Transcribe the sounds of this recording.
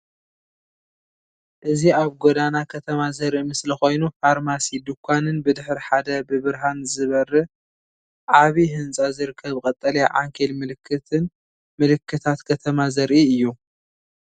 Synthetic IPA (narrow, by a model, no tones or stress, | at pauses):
ʔɨziaβɡod̪anakʰɐt̪ʰɐmazɐɾʔimɨslixo̞jnufaɾmasid̪ukʷʰːanɨnbɨd̪ɨħɾiħad̪ɐbɨβɨɾɦanzɨβɐrːɐ | ʕaβiɦɨnt͡sʼazɨɾɨkʰːɐβkʼɐt̪ʼːɐlɐja̰ʕa̰ŋkʰelmɨlɨkʰːɨt̪ʰɨn | mɨlɨkːɨt̪ʰat̪kʰɐt̪ʰɐmazɐɾʔiɨjːu